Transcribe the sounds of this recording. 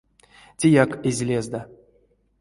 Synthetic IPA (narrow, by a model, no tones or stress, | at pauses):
tʲejakezʲlʲezd̪a